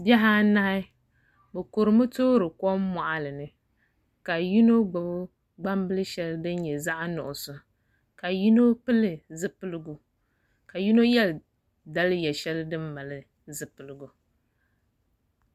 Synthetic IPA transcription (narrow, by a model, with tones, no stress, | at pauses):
bɛ˦ɦa˦na˦hɪ˦ | bɨ˨ko˨ɾɨ˨mɨ˦toː˦ɾɨ˨kɔ˦m˦ma˨ʔa˨lɨ˨nɨ˨ | ka˨ji˦no˦ɡ͡bʊ˨bʊ˦ | ɡ͡ba˦mbɨ˦lɨ˦ʃɛ˦ldɨ˦n˦ɲɛ˨za˦ʔa˦nʊ̰˨ʔʊ˨sʊ˨ | ka˨ji˦no˦pɨ˦lɨ˨zɨ˦pɨ˦lɨ˦ɡʊ˨ | ka˨ju˦no˦jɛ˦l | da˦lɨ˦jɛ˨ʃɛ˦lɨ˦dɨ˦mːa˨lɨ˨ | zɨ˨pɨ˨lɨ˨ɡu˨